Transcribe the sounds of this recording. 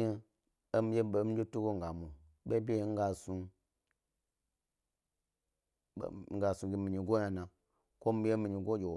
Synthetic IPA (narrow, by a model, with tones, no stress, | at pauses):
e˦ | e˦m̩˦d͡ʒe˦ɓe˨˦m̩i˦d͡ʒe˦tu˦ɡo˦ŋ̩˨a˨mo˨ | ɓʲe˦bʲe˦e˦ŋ̩˦ɡa˧su˧˨˦ | ɡa˨su˧ɡʲe˨mi˨ɲi˧ɡo˦ɲa˧˨nã˨ | ko˦m̩˦e˦mi˨ɲi˧˨ɡo˦d͡ʒʲe˨